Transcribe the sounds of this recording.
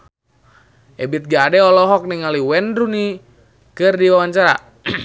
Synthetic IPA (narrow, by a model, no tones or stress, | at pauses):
ʔɛbit̪̚ɡaːdɛɔlɔɦɔk̚niŋaliwɛndɾuni | kɨrdiwawaɲt͡ʃaɾa̰